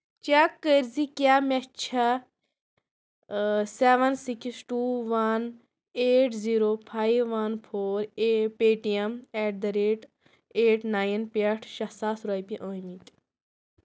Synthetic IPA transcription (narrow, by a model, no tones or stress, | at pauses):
t͡ʃakːəɾzikʲaːmet͡ʃʰɐ | seːʋɐnsiksʈuːʋɐn | eːʈziːɾoːpʰaːiʋːɐnpʰoːɾepeːʈijɐmeːʈ̚d̪ɐɾeːʈ | eːʈnaːjnpeʈʰʃɐsaːsɾojpiʔoːjmit̪